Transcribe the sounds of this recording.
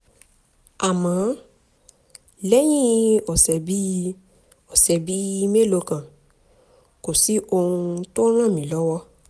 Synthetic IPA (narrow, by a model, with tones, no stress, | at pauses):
a˨mã˨˦ | lɛ˦j̃ĩ˦ɔ˨sɛ˨bi˦ | ɔ˨sɛ˨bi˨˦i˧me˦˨lo˧˦kã˨ | ko˨si˦ʔo˧hũ˧to˦ɾ̃ã˦˨mĩ˨˦˨lɔ˦wɔ˦